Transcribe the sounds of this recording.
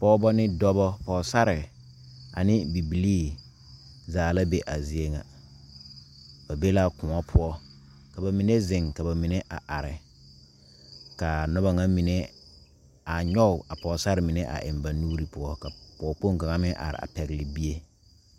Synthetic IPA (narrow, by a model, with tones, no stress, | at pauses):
pɔː˦bɔ˦nɪ˦dɔ˦bɔ˦pɔː˨sa˦ɾɪ˨ | a̰˨nɪ˦bi˨bi˨liː˦˨ | zaː˨la˦be˦ʔa˨zɪ˦e˦ŋa̰˨ | b̥a˨be˦la˦kʊ˨ŋɔ˦pʰʊ˦ɔ˦ | ka˨ba˨mi˨ne˦zɪ˨ŋka˨ba˨mɪ˨ne˦ʔa˨ʔa˨ɾɪ˨ | ka˨nɔ˦ba˦ŋa˦mi˨ne˦ | a˨ɲɔ˦ʊ˨a˨pɔ˨sa˦ɾɪ˨mɪ˨ne˦ʔa̰˨ʔɪ̰˨mba˨nuː˦ɾi˨pʊ˦ɔ˦ka˨pɔː˨k͡po˦ŋ˨ka˨ŋa˦mɪ̃˦ʔa̰˨ɾɪ̰˨a̰˨pɛ˨ɣɪ˨lɪ˨bi˦e˦